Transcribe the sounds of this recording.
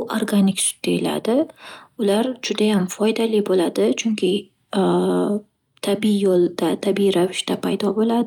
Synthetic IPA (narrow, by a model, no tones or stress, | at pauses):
ʔo̰ɾɡanɪksʊ̥d̪̚d̪ejɪla̰d̪ɪʊlaɾd͡ʒʊd̪ajamfɒjd̪alɪbolad̪ɪt͡ʃʰʊŋkʲʰɪ | t̪ʰabiijolˠd̪̥at̪ʰabiɾavɪʃt̪apʰajd̪ɒbolad̪ɪ